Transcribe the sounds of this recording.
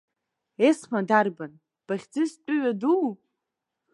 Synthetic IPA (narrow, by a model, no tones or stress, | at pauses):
esmadarban | b̥aχʲd͡zɨst͡pʷʼʊɥadu